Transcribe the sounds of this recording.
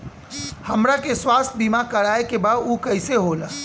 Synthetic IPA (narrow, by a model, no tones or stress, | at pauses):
həmɾakeswaːst̪̚ʰbimakəɾaːekebad̪uːkəɪseɦola